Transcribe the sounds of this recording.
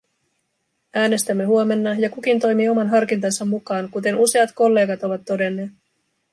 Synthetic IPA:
æːne̞st̪æmːe̞huo̞me̞nːɑjɑkuk̟int̪o̞jmiːo̞mɑnɦɑrkint̪ɑnsɑmːukɑːŋkut̪e̞nuse̞ɑt̪ko̞lːe̞ːɡɑt̪o̞ʋɑt̪ːo̞de̞nːe̞ːt̪

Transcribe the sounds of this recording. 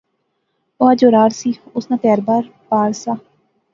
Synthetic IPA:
oaːd͡ʒoːɾaːɾsiːʊsnãːt̪ɛaɾbaːɾpaːɾsaː

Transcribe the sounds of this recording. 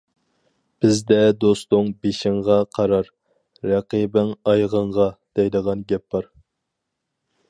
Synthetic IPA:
b̥ɪzd̪ɛd̪ost̪ʊŋbeʃɪŋʁɑqʰɑɾɑɾ | ɾɑqibɪŋɑjʁəɴʁɑd̪̥ɛjd̪əʁɑnɡʲɛpːɑɾ

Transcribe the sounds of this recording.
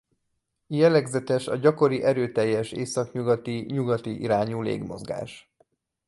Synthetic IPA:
jɛlɛɡzɛt̪ɛʃɒɟɒko̞ɾiʔɛɾøːt̪ɛjːɛʃeːsɒkɲuɡɒt̪iɲuɡɒt̪iʔḭɾaːɲuːlḛːɡmo̞̰zɡa̰ːʃ

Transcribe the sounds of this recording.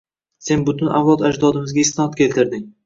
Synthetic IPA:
se̞nbʊt̪ʊnavlˠɒt̪ad͡ʒd̪ɒd̪ɪmɪzɡʲaɪst̪ɪnɒt̪̚kʲʰe̞lt̪ɪɾd̪ɪŋʲ

